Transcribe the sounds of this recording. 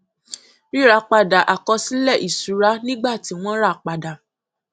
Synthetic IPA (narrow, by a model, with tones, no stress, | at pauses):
ɾĩ˦ɾa˧˦k͡pa˧da˨ʔa˨kɔ˧˦si˦lɛ˦˨ʔi˨su˨˦ɾa˦nĩ˦ɡ͡ba˦˨ti˨˦w̃ɔ̃˦ɾa˦˨k͡pa˨da˨